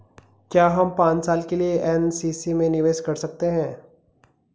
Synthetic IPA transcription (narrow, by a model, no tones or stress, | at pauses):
kjaːɦɐmpãːt͡ʃsaːlkelieʔɛnsiːsimẽnɪʋeːʃkɐɾsɐk̚t̪eɦɛ̃ː